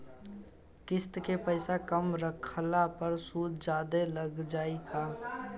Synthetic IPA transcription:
kɪst̪kepəɪsakəmɾəkʰlapəɾsuːd̪d͡ʒaːd̪eləɡd͡ʒaːikaː

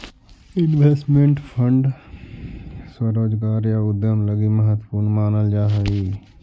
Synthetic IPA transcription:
ɪnʋeːsʈmẽɳʈpʰə̃ɳɖ | swəɾoːd͡ʒɡaːɾjaʊd̪jəmləɡiməɦət̪ːəpuːɾnmaːnəld͡ʒaːɦəiː

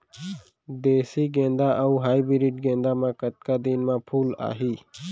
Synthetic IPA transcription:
d̪eːsiːɡẽːnd̪aʔəuɦaːibiɾiːʈɡẽːnd̪aːmãkət̪̚kad̪iːnmãːpʰuːla̰ːɦiː

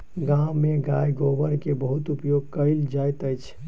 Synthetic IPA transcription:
ɡãmeɡajɡobəɾkebəɦut̪upjoɡ̚kəɪld͡ʒajt̪əjt͡ʃʰ

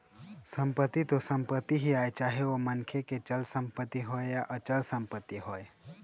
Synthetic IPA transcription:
səmpət̪ːit̪osəmpət̪ːiɦiaːet͡ʃaːɦeomənkʰeket͡ʃəlsə̃mpət̪ːiɦoejaʔət͡ʃəlsəmpət̪ːiɦoe

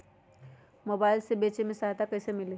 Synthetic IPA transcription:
moːbaːɪlsebeːt͡ʃemẽsaɦd̪akɐːsemɪle

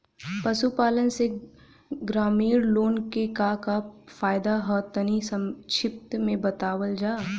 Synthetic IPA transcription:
pɐsupaːlənse | ɡɾaːmiːɾloːnkekaːkafaːjd̪aɦət̪ənisəʃʰɪp̚t̪mẽbɐt̪aːwəld͡ʒaː

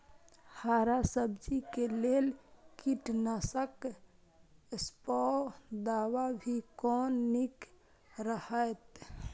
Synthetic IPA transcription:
haːɾasəbd͡ʒikelelkiʈnəsək | spɔd̪awabʱikɔːnːik | ɾəhəet̪

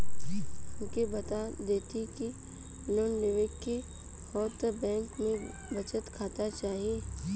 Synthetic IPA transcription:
ʊkebɐt̪ad̪eːt̪ik̪i | nonnɪʋeːkːi | hɔːt̪əbɛ̃ːŋkmẽ | bɐt͡ʃət̪kʰaːt̪at͡ʃaːɦieː

